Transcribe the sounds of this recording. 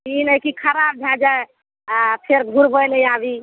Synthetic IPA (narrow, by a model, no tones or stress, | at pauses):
inəjkikʰəɾab̚bʱad͡ʒae | apʰeɾɡʱuɾbəjləjabi